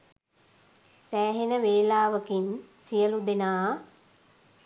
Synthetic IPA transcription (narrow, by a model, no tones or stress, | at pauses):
sæːɦenəʋeːlaːʋəkinsijəlud̪enaː